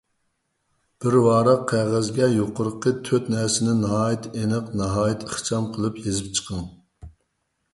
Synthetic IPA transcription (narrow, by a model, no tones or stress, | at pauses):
b̥ɪɾwɑːɾɑqʰːæʁɛzɡʲɛjoqəɾəqʰːət̪ʰøt̪nɛɾsɪnɪnɑɦɑːjit̪ʰenɨqnɑɦɑːjɪt̪ʰəχt͡ʃʰɑmqʰəlˠɨpjezɪp̚t͡ʃʰə̥qʰəŋ